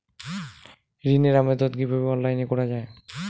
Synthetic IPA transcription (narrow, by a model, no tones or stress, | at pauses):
ɾineɾamed̪ot̪̚ɡibʱabiɔnlːajnekɔɾad͡ʑae